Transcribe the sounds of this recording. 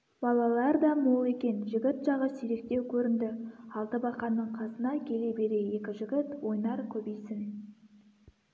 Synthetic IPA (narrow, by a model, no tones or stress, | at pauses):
b̥ɑlˠɑlˠɑɾd̪ɑmolˠe̞kʲe̞nʒɪɡʲɪt̪ʒ̥ɑʁəsiɾe̞k̚t̪e̞wkʲʰɵɾɪnd̪ɪɑlˠt̪əbɑqɑnːəɴqʰɑsənɑkʲʰe̞le̞be̞ɾe̞je̞kʲɪʒɪɡʲɪt̪wo̞jnɑɾkʲʰɵbejsɪŋ